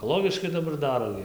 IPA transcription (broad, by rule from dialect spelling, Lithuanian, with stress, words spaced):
ɛkoːˈlˠoːɡʲɪʃkɐɪ dɐˈbɐr ˈdɑːroː ɡʲɪ